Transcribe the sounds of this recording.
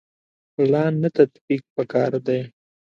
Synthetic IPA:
plɑnːat̪at̪bik̚pəkɑɾd̪aj

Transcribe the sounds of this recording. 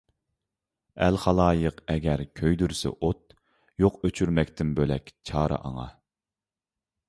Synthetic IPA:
ælχɑlˠɑːjəqɛɡʲɛɾkʲʰøjd̪yɾsɛ̰ʔot̪̚ | joqøt͡ʃʰyɾmɛkʲt̪ʰɪnbølɛkʲt͡ʃʰɑːɾɑ̰ʔɑ̰ŋɑ̰

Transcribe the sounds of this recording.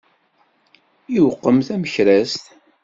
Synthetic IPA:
iwəqːəmθæməçɾæst̪

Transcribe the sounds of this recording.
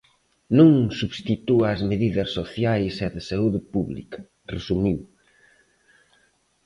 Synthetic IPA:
nũŋsuβst̪it̪uazmeðiðɐsːoθjajsɛðɪsauðɪpuβlḭkɐ̥ | rḛsumiw

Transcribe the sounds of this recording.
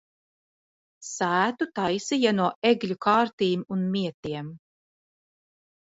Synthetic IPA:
sæːt̪ut̪ajsijanuɔʔeɡlʲukaːɾt̪iːmunmiɛt̪iɛm

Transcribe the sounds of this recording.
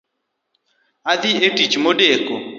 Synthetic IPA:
ad̪ietit͡ʃmodeko

